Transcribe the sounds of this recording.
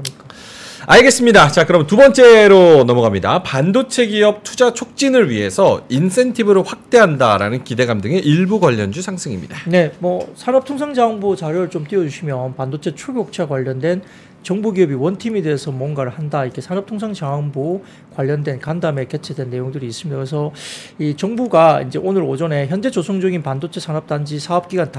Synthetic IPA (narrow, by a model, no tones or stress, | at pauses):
ik͈a | aɭɡe̞s͈ɯmɲidat͡ɕakɯɾʌmntubʌnt͡ɕ͈e̞ɾonʌmʌɡamɲida̰pandot͡ɕʰe̞ɡiʌp̚tʰud͡ʑat͡ɕʰok̚t͡ɕ͈inɯɭɥiɦe̞sʰʌinsʰe̞ntʰibɯɾoɸwak̚t͈e̞ɦanda̰ɾa̰nɯnkide̞ɡamdɯŋe̞ʔiɭbuɡwaʎːʌnd͡ʑusʰaŋsʰɯŋimɲidane̞mwʌsʰanʌp̚tʰoŋsʰaŋd͡ʑaʌnbut͡ɕaɾjʌɾɯɭt͡ɕomt͈iʌd͡ʑuɕʰimjʌnpandot͡ɕʰe̞t͡ɕʰuɭɡjok̚t͡ɕʰaɡwaʎːʌndwe̞n | t͡ɕʌŋbuɡiʌbiwʌntʰimede̞esʰʌmwʌnɡaɾɯɭhandaikʰesʰanʌp̚tʰoŋsʰaŋd͡ʑaʌnbu | kwaʎːʌndwe̞nkandame̞ke̞t͡ɕʰe̞dwenːe̞joŋdɯɾiːs͈ɯmɲidakɯɾesʰʌ | it͡ɕʌŋbuɡaḭnd͡ʑe̞ʔonɯɾod͡ʑʌne̞çjʌnd͡ʑe̞t͡ɕosʰoŋd͡ʑʌɡinpandot͡ɕʰe̞sʰanʌp̚t͈and͡ʑisʰaʌp̚k͈iɡanta